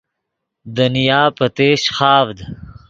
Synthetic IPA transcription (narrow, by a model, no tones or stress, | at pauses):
d̪ɐnijaːpɐt̪eːɕxaːvd̪